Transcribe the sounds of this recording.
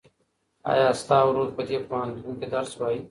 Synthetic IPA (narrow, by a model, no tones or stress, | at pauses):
a̰ːjaːəst̪aːʋɾoːd̪pəd͡ʒ̪eːpaːnd̪ũːnkeːd̪əɾsʋaːiː